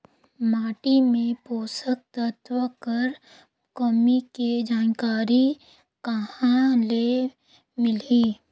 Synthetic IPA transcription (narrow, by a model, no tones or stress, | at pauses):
maːʈimẽpoːsək̚t̪ət̪ʋəkəɾ | kəmiked͡ʒaːnkaːɾi | kəɦãle | mɪliː